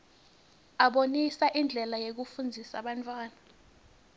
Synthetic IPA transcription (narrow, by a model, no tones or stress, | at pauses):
aɓonisaʔind͡ɮʱɛlajek̬ufund͡zʱisaɓantʼwaːna